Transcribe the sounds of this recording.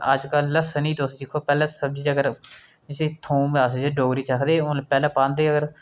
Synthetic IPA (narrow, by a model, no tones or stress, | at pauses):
əd͡ʒkəlːəsəniːt̪ʊsd͡ʒɪkʰːoːpɛːlãːsəb̚d͡ʒiːəɡəɾ | d͡ʒɪseːt̪ʰõːmaːsd͡ʒeːɖoːɡɾiːt͡ʃəkʰd̪eːʊːlpɛːlãːpãːnd̪eːəɡəɾ